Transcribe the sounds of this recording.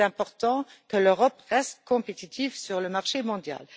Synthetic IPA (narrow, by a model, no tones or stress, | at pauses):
ɛ̃pɔʁt̪ɑ̃kəløʁɔpʁɛst̪̚kʰɔ̃pet̪it̪ʰifsyʁləmaʁʃemɔ̃d̪ja̰l